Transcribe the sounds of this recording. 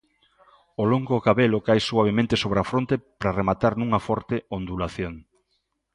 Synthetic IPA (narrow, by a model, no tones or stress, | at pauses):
oloŋɡokaβelokajsuaβ̞emẽnt̪esoβɾeafɾont̪epɾaremat̪aɾnũŋɐfɔɾt̪eond̪ulaθjoŋ